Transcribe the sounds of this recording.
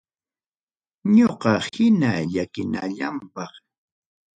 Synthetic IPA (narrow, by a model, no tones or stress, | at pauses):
ɲoqɑhɪnaʎakɪnaʎampɑχ